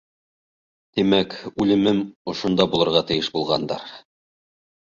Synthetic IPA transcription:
t̪imækʉlɘ̆mɘmŏʃŏnd̪ɑbulˠɤ̆ɾʁɑt̪ɘ̆jɘʃbulˠʁɑ̰nd̪ɑ̰ɾ

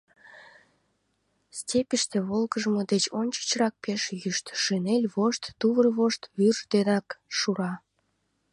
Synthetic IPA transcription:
stʲepʲiʃt̪ĕβolkəʒəmod̪et͡ɕonʲt͡ɕə̥t͡ɕrɑk̚peʃjyʃt̪ʃenelʲβoʃt̪ːuβərβoʃt̪βyrʒd̪eɾɑkʃuɾɑ

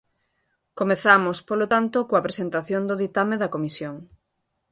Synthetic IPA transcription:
komeθamospolot̪ant̪okoɐpɾesent̪aθjond̪oðit̪ameðɐkomisjoŋ

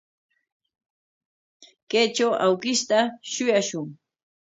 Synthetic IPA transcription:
kejt͡ʃawʔawkɪʃt̪aʃʊjaʃʊŋ

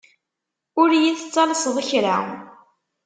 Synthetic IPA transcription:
ʊɾjiθət͡sːɑlsðˤaçɾa̰

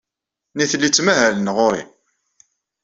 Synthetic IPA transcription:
niθlːit͡sːmæɦælənʁʊɾḭ

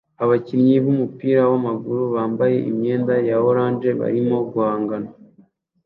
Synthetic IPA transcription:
aβacimɲiβumupiːɾawamaɡuɾuβaːmbaje̞̰ʔḭmɲe̞ːndajaoɾaːnʒe̞βa̰ɾimo̞ɡɡuhaːŋɡana

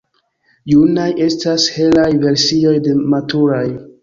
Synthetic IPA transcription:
junajʔe̞stashe̞lajve̞ɾsio̞jde̞matʰuɾaj

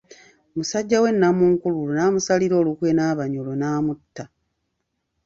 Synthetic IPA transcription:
musaɟːawe̞nːamuŋkululunaːmusaliɾo̞ːlukwenaːβaɲolonaːmutːa

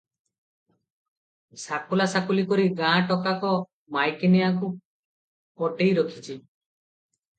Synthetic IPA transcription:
sakulasakulikoɾiɡãʈɔkakɔ | majkenijaku | pɔʈejɾɔkʰit͡ʃʰi

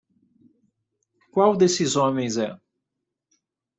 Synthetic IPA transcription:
kwawd̪esɪzõmẽj̃zɛ

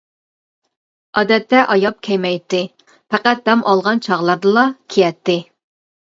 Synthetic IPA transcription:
ɑd̪ɛt̪ʰːɛʔɑjɑp̚kʲʰɛjmɛjt̪ːɪ | pʰæqæt̪̚d̪ɛmʔɑlˠʁɑnt͡ʃʰɑʁlˠɑɾd̪ɨlˠɑkʲʰijɛt̪ːɪ

